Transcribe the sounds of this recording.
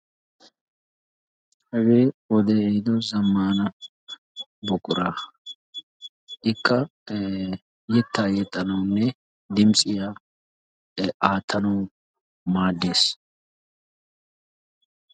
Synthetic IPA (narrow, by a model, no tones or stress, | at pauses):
hɐɡeːwɔd̪ɛɛɪd̪ɔzɐmːaːnɐ | bɔkʼʊɾa | ʔɪkːɐ | jɛt̪ːaːjɛt̪ʼːɐnɐwnːɛ | d̪ɪmsʼɪja | aːt̪ʰːɐnɐw | maːd̪ːe̞ːs